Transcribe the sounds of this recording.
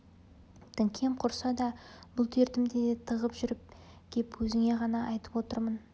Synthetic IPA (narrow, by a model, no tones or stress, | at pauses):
t̪ʰɪŋkʲʰe̞mqʰʊɾsɑd̪ɑb̥ʊlˠt̪ʰe̞ɾt̪ɪmd̪ed̪et̪ʰəʁəpʒʏɾɪp̚ | kʲʰe̞pwɵzɪŋe̞ʁɑnɑʔɑjt̪əpwo̞t̪əɾmən